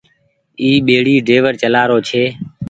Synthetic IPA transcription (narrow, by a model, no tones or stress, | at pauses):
iːɓeːɽiːɖeːʋəɾt͡ʃəlaːɾoːt͡ʃʰeː